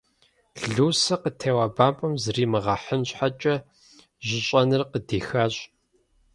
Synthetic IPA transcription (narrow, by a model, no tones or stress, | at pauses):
ɮuːsɐqətʰeːwɐbaːmpʼɐmzriːmɨʁɐħənɕħat͡ʃʼɐ | ʑʷɪɕʼɐnɨrqədiːxaːɕʼ